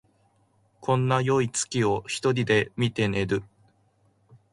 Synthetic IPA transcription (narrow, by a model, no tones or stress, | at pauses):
kʰõ̞nːajo̞it͡sɨ̥kʲio̞çi̥t̪o̞ɾʲid̪e̞mʲit̪e̞ne̞ɾɯ̟